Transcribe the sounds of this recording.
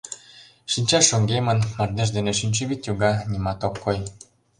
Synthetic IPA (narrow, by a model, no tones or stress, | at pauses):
ʃinʲt͡ɕɑʃoŋɡemə̆nmɑrd̪eʒ̬d̪eneʃinʲt͡ɕɘβit̪juɡɑnʲimɑt̪okːoj